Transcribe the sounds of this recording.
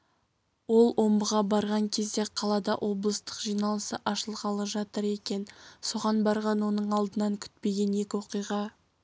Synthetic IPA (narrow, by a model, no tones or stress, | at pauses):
wo̞lˠwʔo̞mbəʁɑbɑɾʁɑŋkʲʰe̞zd̪e̞qʰɑlˠɑd̪ɑ̰ʔwʔo̞blˠəst̪ə̥qʒijnɑlˠəsəʔɑʃəlˠqɑlˠəʒɑt̪əɾe̞kʲe̞nso̞ʁɑnbɑɾʁɑnwo̞nəɴɑlˠd̪ənɑŋkʲʰʏ̥t̪̚pe̞ɡʲe̞ne̞kʲɪwo̞qijʁɑ